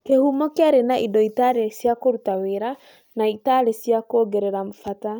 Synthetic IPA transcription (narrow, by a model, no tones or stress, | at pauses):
kehumɔkeaɾenaʔidɔitaɾesjakoɾutaweɾa | naitaɾesjakoɡɛɾɛɾamfata